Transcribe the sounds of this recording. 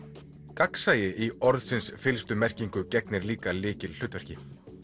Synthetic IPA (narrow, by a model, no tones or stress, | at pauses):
kaksaːjɪʔiɔɾðsɪnsfɪlst̪ʏmɛr̥ciŋkʏcɛknɪɾliːkalɪːcɪll̥ʏːt̪vɛɾ̥cɪ